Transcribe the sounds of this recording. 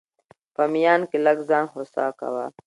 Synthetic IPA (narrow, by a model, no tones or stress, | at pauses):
pɐmijaːnkilɐɡzãːnɦosa̰ːka̰wa̰ː